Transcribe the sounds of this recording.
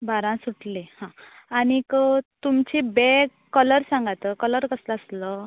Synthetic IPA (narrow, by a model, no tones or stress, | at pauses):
bʱaɾãsuʈʰlehãanikət̪umt͡ɕibekkːələɾsãŋɡat̪əkələɾkəsləəslə